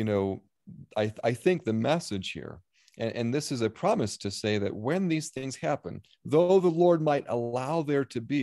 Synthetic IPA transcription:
jɨnoʊ | aɪaɪθɪ̃ŋk̚ðɨmɛsɨd̥ʒ̥hḭɹ | ʔɨ̃ʔɨ̃nðɪsɨzɨpʰɹ̥ɑmɨstʰɨseɪðɨ̰t̚wɨ̃nðiz̥θɪ̃ŋz̥hæpɨ̃n | ðoʊðəlɔɹd̚maɪɾə̰laʊðə˞ɾɨbi

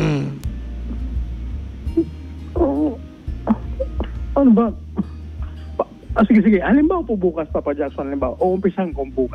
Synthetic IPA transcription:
o | ʔɐnobɐ | p | ʔsɪɡɛs̬ɪɡɛʔɐlɪmbaːwɐpobuːkɐspapɐd͡ʒak̚sonɐlɪmbaːwaʔoʔʊmpɪsaŋkoŋbuːkɐs

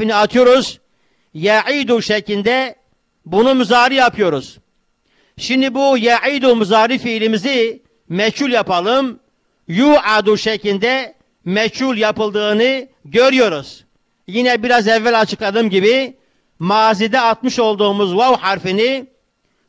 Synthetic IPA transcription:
iniat̪ʰɯjo̞ɾuz | jɛʕid̪uʃɛcʰlilʲd̪ɛ | bunumyzaːɾijapʰɯjo̞ɾuz̥ | ʃimd̪ibujɛʕijd̪umyzaːɾifilimizi | mɛchulʲjapalˠɯm | juːʕad̪uʃɛcʰlilʲd̪ɛ | mɛcʰulʲˠjapɯlˠd̪ɯːnɯɟøɾyjo̞ɾuz̥ | jinɛbiɾazɛvːælʲat͡ʃʰɯkad̪ɯmɟibi | maːzid̪ɛat̪mɯʃo̞lˠd̪uːmuzwawhaɾfini

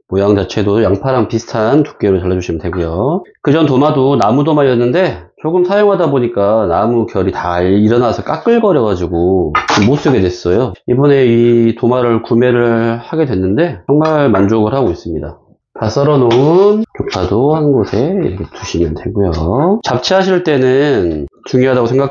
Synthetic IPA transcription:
mojaŋd͡ʑat͡ɕʰe̞dojaŋpʰaɾaŋpisʰɯ̥tʰantu̥k͈̚eɾot͡ɕaɭːad͡ʑuɕʰimjʌntwe̞ɡujokɯd͡ʑʌntomadonamudomajʌnːɯnde̞t͡ɕoɡɯmsʰajoŋɦadaboɲik͈anamukjʌɾitaɾiɾʌnasʰʌk͈ak͈ɯɭɡʌɾjʌɡad͡ʑiɡoomːos͈uɡe̞dwe̞s͈ʌjoibune̞itomaɾɯɭkume̞ɾɯɭhaɡe̞dwe̞nːɯnde̞t͡ɕʌŋmaɭmand͡ʑoɡɯɭhaɡois͈ɯmɲida | tas͈ʌɾʌnonkok̚pʰadohanɡosʰe̞ḭɾʌkʰetuɕʰimjʌntwe̞ɡujot͡ɕap̚t͡ɕʰiɦaɕʰiɭt͈e̞nɯnt͡ɕuŋjoɦadaɡosʰeŋɡakʰ

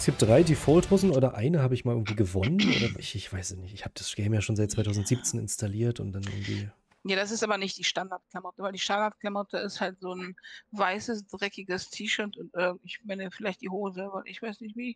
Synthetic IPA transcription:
sɡiːp̚td̥ʁaɪdiːfɔlthoːzn̩ʔoːdɐʔaɪnəhaːbəɪçmalɪɐɡŋ̩tv̥iːɡəvɔnənʔo̰ːdɐɪçɪçv̥aɪsɪnɪçtɪçhaːbəd̥asʃɡ̥ɛɪmjaːʃoːnzaɪt̚t͡sv̥aɪtʰaʊzn̩tz̥iːp̚t͡seːnɪ̰nstaliːɐtʊ̰nt̚d̥anʔɪ̰ɐɡŋ̩tv̥ḭː | jaːdas̬ɪstʔaːbɐnɪçt̚d̥iːʃtandaɐt̚klamɔtəvaɪldiːʃtandaɐt̚kl̥amɔtʰəɪsthaltz̥oːnvaɪsəsd̥ʁɛkɪɡəstʰiːʃœɐtʊntʔɪɐɡŋ̩tɪçmɛnəfɪlaɪçt̚d̥iːɦoːzəvalʔɪçv̥aɪsnɪçtv̥iː

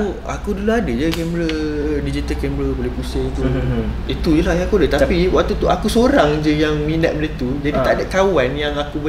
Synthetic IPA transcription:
u | a̰kuduluadəd͡ʒəkɛmbɾədid͡ʒit̪alkɛmbɾəbolɛhpusəŋt̪uit̪ujəlahjãakuadət̪apiwak̚t̪ut̪uakusoɾaŋd͡ʒəjaŋmĩnət̪̚mələt̪ud͡ʒadit̪adakawanjaŋakubə

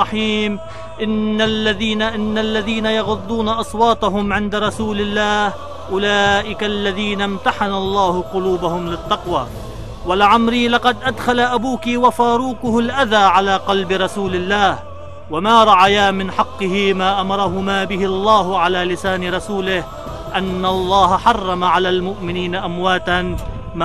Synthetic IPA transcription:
ɑħiːm | ʔɪnːalːaðiːnaʔɪnːalːaðiːnajɑɣʊd̪ˤːuːnaʔɑsˤwɑːt̪ˤɑɦʊmʕɪnd̪ɾˤɑsuːlɪlːaːh | ʔʊlaːʔɪkalːaðiːnamt̪aħanalˤːɑːhʊqʊluːbahʊmlɪt̪ːɑqwa̰ | walɪʕamɾiːlɑqɑd̪ʔad̪xalaʔabuːkiwafaːɾuːkʊhʊlʔaðaːʕalaːqɑlbɪɾˤɑsuːlɪlːaːh | wamaːɾˤɑʕajaːmɪnħɑqːɨhɪmaːʔamɑɾˤɑɦʊmaːbɪɦɪɑlˤːɑːɦʕalaːlɪsaːnɪɾˤɑsuːlɪh | ʔanːalˤːɑːhaħɑrˤːɑmaʕalaːlmʊʔmɪniːnaʔamwaːt̪an | m

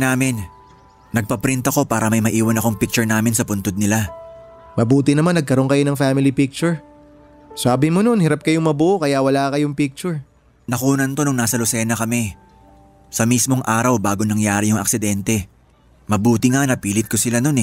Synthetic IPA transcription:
naːmɪnː | ɐɡ̚pɐpɾint̪ɐko̞paːɾɐmɐjmɐʔiːwɐnɐkoŋpik̚t͡ʃʊɹnaːmɪnsɐpʊnt̪od̪̚nɪla | mɐbuːt̪ɪnɐmanːɐɡ̚kɐɾo̞ŋkɐjo̞nɐŋfaːmɪlipik̚t͡ʃʊɹ | saːbɪmono̞nhɪɾap̚kɐjoŋmɐbuːʔokɐjawɐlaːkɐjoŋpik̚t͡ʃʊɹ | nɐkuːnɐnt̪o̞nɐŋnaːsɐlʊsɛːnɐkɐmɛ | sɐmismo̞ŋʔaːɾɐwbaːɡonɐŋjaːɾɪjʊŋɐ̰ksɪd̪ɛnt̪ɛ | mɐbuːt̪ɪŋanɐpiːlɪt̪̚ko̞sɪlano̞nɛ

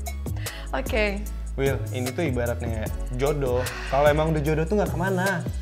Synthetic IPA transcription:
oke | wɪlinit̪uibaɾat̪̚nɪjaʔ | d͡ʒodɔ | kaloemaŋudad͡ʒodot̪uŋɡakəmana

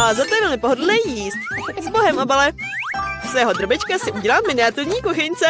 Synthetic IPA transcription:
azat̪ojɛvɛlmɪpoɦodl̩nɛːjiːst̪̚zboɦɛmʔabalɛ | sjɛɦod̪ɾobɪt͡ʃkasɪʔuɟɛlaːmɪnɪat̪ɪvɲiːkoxɛɲt͡sɛ

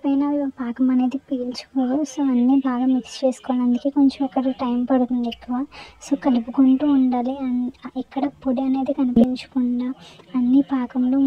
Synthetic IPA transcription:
pɐjnaːiʋapaːkɐmɐne̞ːd̪ipiːlt͡ʃu̥koːʋasoːɐnːibaːɡaːmikst͡ʃe̞ːsu̥kɔːʋaːlɐnd̪uke̞ːko̞ɲt͡ʃemɛkːɐɽɐʈɐjmpɐɽut̪und̪ekːuʋaːso̞ːkɐlipuɡoɳʈuːɳɖaːliɐnɛkːɐɽɐpoɽiɐne̞ːd̪ikɐnipiɲt͡ʃu̥kuɳɖaːɐnːipaːkɐmloː

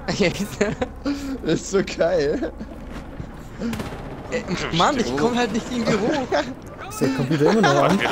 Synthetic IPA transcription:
jɛs | ɪsz̥oɡaɪl | ʔɛmanɪçkʰɔməhaltnɪçtviːndiəʁo | ɪsd̥eːɐkʰɔmpjuːtɐɪmɐnɔχʔan

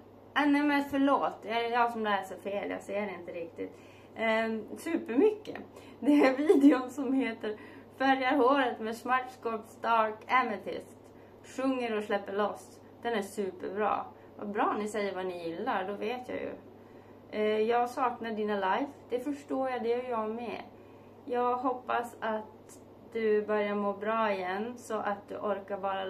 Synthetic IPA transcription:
anɛmɛnfœɭoːt̪jɑjɑːsɔmlɛːsəɾfeːlja̰seːəɾɪnt̪əɾɪk̚t̪ɪt̪ | sʉ̟ːpəɾmʏkːə̰ | d̪ɛæɾviːd̪ɪʊnsɔmheːt̪əɾ | fœɾjaɾhoːɾət̪mɛːsmaʈskɔpst̪ɑɾkɛmət̪ʰɪ̰st̪ | ʂɵŋːəɾɔslɛpːəɭɔs | d̪̥ɛnæʂʉ̟ːpə̰ɾbɾɑ̰ː | va̰bɾɑːnɪsɛjːəɾvanɪjɪlːaɾɖɔveːt̪ʰja̰ːjɵ̰ | jɑːɡsɑːknaɖiːnalajvd̪̥ɛfœʂʈoːɾjad̪ɛjɑːmɛ̰ | jɑːɡɦɔpːasat̪ | d̪ɵbœɾjamoːbɾɑːɪjɛnːsɔʔat̪̚d̪ɵ̰ʔɔɾkaɾvɑːɾa

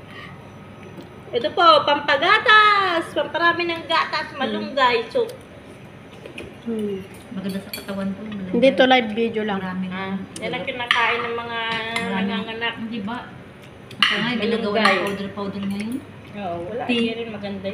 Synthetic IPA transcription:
ʔɛt̪opopɐmpɐɡaːt̪aspɐmpɐɾaːmɪnɐŋɡaːt̪asmɐlʊŋɡajsʊk̚ | mɐɡɐnd̪asɐkɐt̪ɐwant̪omɐlɪnd̪it̪olajbːid̪jolaŋɾaːmɪajanɐŋkɪnaːkaːʔɪnːɐŋmɐŋaɐŋaŋɐnakɪnd̪ibɐ | ɐtoŋaɡɐlaŋɡɐwɐnaʔawd̪ɛɾpawd̪ɛɾŋɐjon | oʔowɐlaʔaɾɪnmɐɡɐnd̪a

